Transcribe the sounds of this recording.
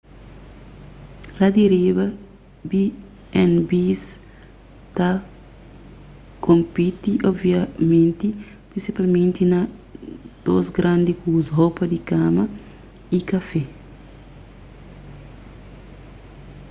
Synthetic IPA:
lad̪eɾibɐ | bi | ɛnbis | t̪a | kõmpit̪iʔobvjamẽnt̪i | pɾĩnsipalmẽnt̪inɐ | d̪̥osɡɾãnd̪ikusɦopɐd̪ikamɐ | ikafɛ

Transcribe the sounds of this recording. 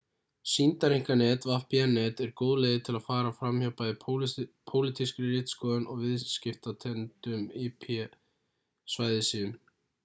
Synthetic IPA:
sint̪aɾiŋ̥kanɛːt̪vahpianɛːt̪ɛɾkoːðleːjðɪt̪ʰɪlaðfaːɾafɾamhœpaðɪpʰowlɪt̪ʰiskɾɪrɪːt̪skɔːðʏnʔɔɣvɪðscɪft̪at̪ʰɛnt̪ʏmipʰɛ | svaːjðɪsiːʏn

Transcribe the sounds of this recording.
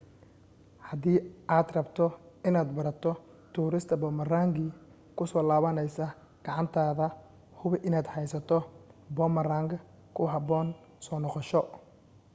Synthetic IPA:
hɐðiːʔaːd̪rɐbt̪ʰɔɪnaːd̪bɐɾɐt̪ʰɔ | t̪ʰuːɾɪst̪ʰɐbɔːmɐraːŋɡiː | kʰʊsɔːlaːβɐnɛjsɐ | ɡ̥ɑʕɑnt̪ʰaːðɐ | hʊβɪʔɪnaːd̪hɛjsɐt̪ʰɔbɔːmɐraːŋɡʰɐ | kʰʊɦɐbɔːn | sɔːnɔqɔʃɔ

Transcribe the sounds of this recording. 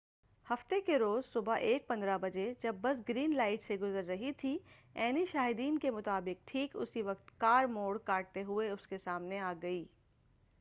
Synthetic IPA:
hɐft̪ekeɾoːzsʊbaʔeːk̚pɐ̃nd̪ɾabɐd͡ʒed͡ʒɐbːɐsɡɾiːnlaːɪʈseɡʊzəɾːɐɦit̪ʰiɛːniʃaːɦɪd̪iːnkemʊt̪aːbɪk̚ʈʰiːkʊ̰siʋɐqt̪kaːɾmoːɽkaːʈ̚t̪eɦʊeʊskesaːmneaːɡɐiː

